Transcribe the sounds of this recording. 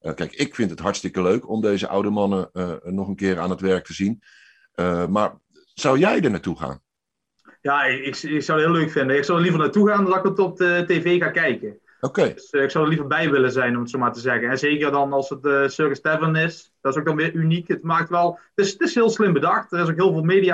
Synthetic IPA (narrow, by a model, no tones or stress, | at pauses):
əkɛjkɪkfɪntɦətɦɑɹtstɪkəløɥkʰɔmdejzə̰ʔɑ̰wdəmɑnənɔχənkɪːɹa̰ːnətʋɛɹk̚təzin | əmaːɹ | z̥ʌwjɛjdəɹnaːtuχa̰ːn | jaːɪɪkɪksɑwdɦɪːløɥkfɪndəɪksɑwdəɹlivərnaːtuɣaːndɑɪkətɔp̚əteːveːɣaːkɛjkə | okedsɪksɑwdəlivəɹbɛjʋɪləzɛjnɔmətsomaːɹtəzɛɣənɛnzeːkərdɑnɑlˠsətːsøkəstɛvənɪsd̥ɔɪsok̚dɑnʋɪːɹynikətmaːk̚tʋɛlˠtɪstɪsɦɪːlˠslɪmbədɑxtərɪs̬ok̚ɦɪːlˠvɪːlˠmeːdija